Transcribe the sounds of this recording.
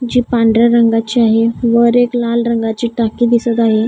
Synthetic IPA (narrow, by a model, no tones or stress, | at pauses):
d͡ʑiːpãɳɖɾaɾəŋɡat͡ɕiaɦeʋəɾeklalɾəŋɡat͡ɕiːʈakiːd̪isət̪aɦe